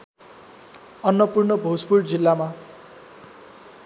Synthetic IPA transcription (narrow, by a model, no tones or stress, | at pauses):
ʌnːʌpurnʌbʱod͡zpurd͡zilːama